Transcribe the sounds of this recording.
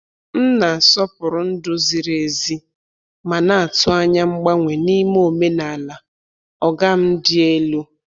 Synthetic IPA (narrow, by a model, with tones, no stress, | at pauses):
n̩˦na˨a˨sɔ˦pʊ˨ɾʊ˨n̩˦dʊ˦zi˨ɾe˨zi˦ | ma˨na˨a˨tʊ˦a˦ɲa˦ŋ͡m̩˦ɡ͡ba˦ŋʷe˨ni˦m˦o˨me˦na˨la˨ | ɔ˨ɡa˦m̩˦dɪ˦e˦lu˦